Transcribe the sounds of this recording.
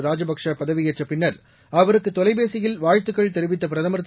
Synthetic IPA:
ɾaːd͡ʒɐbɐkʂɐpɐðɐʋɪjɐt͡ʃːɐpɪɳːɐɾ | ɐʋɐɾɯkːɯt̪ːɔlɐɪbeːsɪjɪlʋaːɻt̪ːɯkːɐɭt̪ɛɾɯʋɪt̪ːɐp̬ɪɾɐðɐmɐɾɯt̪ː

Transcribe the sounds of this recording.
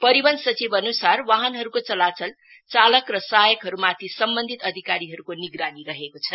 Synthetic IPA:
pʌɾibʌnsʌt͡sibʌnusarwaɦʌnɦʌɾukot͡sʌlat͡sʌl | t͡salʌkrʌsajʌkɦʌɾumat̪ʰisʌmbʌnd̪ʱit̪ʌd̪ʱikaɾiɦʌɾukoniɡɾaniɾʌɦekot͡sʰʌ

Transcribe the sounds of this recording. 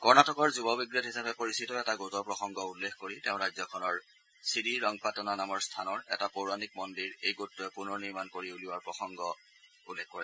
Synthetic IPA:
kɔɹnatʰɔkɔɹzubɔbiɡɹɔtɦisapɛpoɹisitɔɛtaɡozɔpɹɔxɔŋɡɔulːexkoɹiteʊ̃ɹajzɔkʰɔnɔɹ | siɾiɹɔŋpatɔnanamɔɹstʰanɔɹɛ̰tapoɹanik̚mɔndiɹejɡotːuɛpunɔɹniɹmankoɹiuliwaɹpɹɔxɔŋɡɔ | ulːɛkkɔɹɛ

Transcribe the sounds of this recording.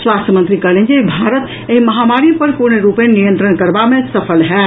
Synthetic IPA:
swast̪əmənt̪ɾikəɾlend͡ʒebʱaɾət̪ | eɦiməɦamaɾipəɾpuɾnɾupenijə̃nt̪ɾənkəɾbamesəpʰəlɦɛ

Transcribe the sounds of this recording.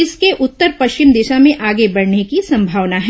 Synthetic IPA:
ɪskeʔʊt̪ːəɾpɐʃt͡ʃɪmd̪ɪːʃamẽʔaːɡebɐɽnekisɐ̃mbʱaːʋnaɦ

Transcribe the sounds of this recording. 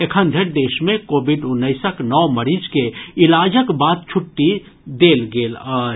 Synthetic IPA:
ekʰənd̪ʱeɾd̪eʃmekobʱiɖunːəɪsəknɔməɾid͡ʒkeilad͡ʒəkbat̪̚t͡ʃʰuʈːi | d̪elɡelə

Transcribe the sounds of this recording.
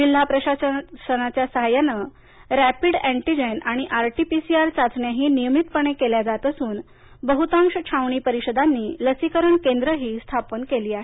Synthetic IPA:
d͡ʑil̤ːapɾəɕassənat͡ɕjasəɦajanə | ɾæpiɽæ̃ɳʈid͡ʑenaɽ̃iʔaɾʈipisiaɾt͡sat͡sɳjaɦiːnijəmit̪pəɳ̃ekeljad͡zat̪əsuːn | bəɦut̪ãŋʂət͡ɕʰaʋɳ̃iːpəɾiɕəd̪anːiːləsikəɾəɳkend̪ɾəɦiːst̪ʰapənkeliːaɦe

